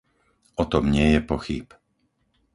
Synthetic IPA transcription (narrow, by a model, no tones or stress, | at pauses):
ɔt̪ɔmɲɪɛjɛpɔxip